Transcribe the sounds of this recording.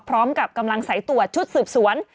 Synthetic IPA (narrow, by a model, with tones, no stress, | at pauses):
pʰɾɔː˦˥mka˨˩p̚ka˧mla˧ŋsa˩˦jt̪u˨˩ɐt͡ɕʰu˦˥t̪̚sɯː˨˩p̚su˩˦ən